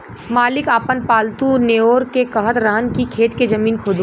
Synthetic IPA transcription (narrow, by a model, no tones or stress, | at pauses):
maːlɪkaːpənpaːlt̪uːneoːɾkekɐɦət̪ɾəɦənkikʰeːt̪ked͡ʒɐmiːnkʰoːd̪